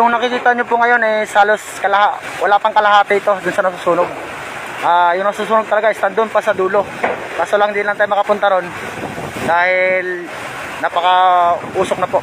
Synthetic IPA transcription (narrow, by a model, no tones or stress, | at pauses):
jʊŋnɐkɪkiːt̪ɐɲopʊŋɐjo̞nɛshaːlo̞skɐlɐha | wɐlaːpɐŋkɐlɐɦaːt̪ɪɪt̪o̞d̪ʊnsɐnɐsuːsuːnoɡ̚ | ʔaːjʊŋnɐsuːs̬uːnoɡ̚t̪ɐlɐɡaɪst̪and̪oonpɐsɐd̪uːlo̞ | kaːsolaŋɪnd̪iːlɐŋt̪aːjʊmɐkɐpʊnt̪ɐɾo̞n | d̪aːhɪl | nɐpɐkɐʔuːsok̚nɐpo̞ʔ